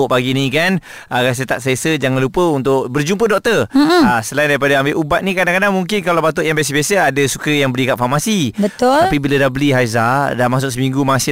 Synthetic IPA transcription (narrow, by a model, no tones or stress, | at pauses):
ʊʔpaɡinĩkan | əɣas̬ət̪aʔsesəd͡ʒaŋanlupəunt̪ʊʔbərd͡ʒump̬ədɔk̚t̪ərasəlaindaɾipadaambeʔubat̪̚nĩkadaŋkadaŋmuŋkɪnkalawpat̪̬ʊʔjaŋmbjas̬əbasəadəsukəjaŋbəlikaʔ̪famasibət̪t̪ʊapibiladahbəliɦajzadamas̬ʊʔs̬əmiŋɡumasɪ